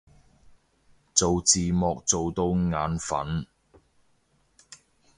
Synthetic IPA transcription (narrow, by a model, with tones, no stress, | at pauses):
t͡so˨wt͡siː˨mɔː˨k̚t͡so˨wt̪o˨˧wŋaː˨˥nfɐ̰˨˥n